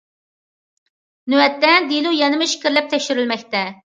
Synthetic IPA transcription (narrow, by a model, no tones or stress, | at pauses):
nywɛt̪ːɛd̪ilˠujɑnɨmɨʃi̥kʲʰɪɾlɛp̚t̪ʰɛkʲʃyɾylmɛkʲt̪ɛ